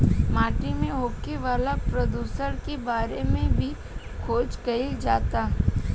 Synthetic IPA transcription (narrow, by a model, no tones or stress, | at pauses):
maːʈimẽɦoːkeʋaːlapɾɐd̪uːsəɾkebaːɾemẽbʱi | kʰoːt͡ʃkɐild͡ʒaːt̪a